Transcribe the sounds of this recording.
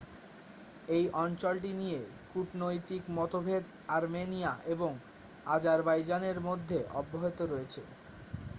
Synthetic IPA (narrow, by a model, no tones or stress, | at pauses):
ejʔɔnt͡ɕolʈ̬inije | kuʈnojt̪ikmɔt̪obʱed̪ | aɾmenijaʔeboŋ | ad͡ʑaɾbajd͡ʑaneɾmod̪ʱːeʔɔbːoɦet̪oɾoet͡ɕʰḛ